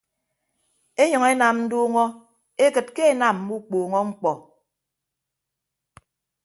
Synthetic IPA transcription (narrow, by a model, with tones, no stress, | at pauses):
e˦ɲɔ˨ŋe˦na˨mn̩˦duː˦ŋɔ˦ | e˦kɨ˨t̚ke˦e˦na˨m˦bu˦k͡poː˨ŋɔ˦ŋ͡m̩˦k͡pɔ˨